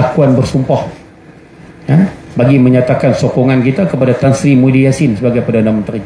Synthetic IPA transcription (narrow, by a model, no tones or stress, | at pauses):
akuanbərsumpɔh | jabaɡiməɲat̪akansokɔŋankit̪akəpadat̪ansɾimudiasɪnsəbaɡajpərdanamənt̪ɾaɲ